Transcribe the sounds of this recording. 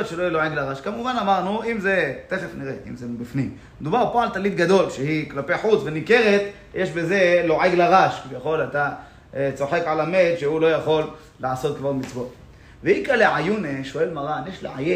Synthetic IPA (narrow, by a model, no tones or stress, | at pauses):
ot̪ʃelojiloʕeɡlaʁaʃkamuvanamaʁnuimze̞t̪efefniʁeḭmzebifnim | ed̪ubaʁpoalt̪alit̪ɡad̪o̞lʃehiklapeħut͡svenike̞ʁet̪ | jeʃbeze̞lo̞ʕeɡlaʁaʃkivjaχo̞lat̪a | t͡so̞ħe̞kʕalamet̪ʃehulo̞jaχo̞lː | aʕaso̞t̪̚kvaʁmit͡svo̞t̪ | veikaleʕajuneʃoe̞lmaʁanjeʃlḛʕaje